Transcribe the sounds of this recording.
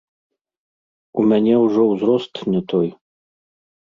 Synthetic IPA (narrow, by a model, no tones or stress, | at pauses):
umʲanʲɛwuʐɔwzɾɔst̪nʲɛt̪ɔj